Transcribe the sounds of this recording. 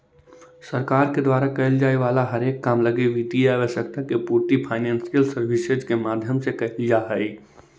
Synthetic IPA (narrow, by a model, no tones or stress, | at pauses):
sɐɾkaːɾked̪waːɾakɐɦɪld͡ʒaːeʋaːlaɦɐɾeːkːaːmlɐɡeʋid̪iaːʋəʃək̚t̪akepuːɾt̪ipʰaːɪnɛ̃ːnsijəlsəɾʋɪsed͡ʒkemaːd̪ʱjəmsekɐɦɪld͡ʒaːɦɛi